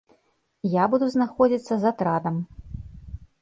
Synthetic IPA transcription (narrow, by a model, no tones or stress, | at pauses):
jabud̪uznaxɔd͡zʲit̪sːɐzɐt̪ɾad̪ɐm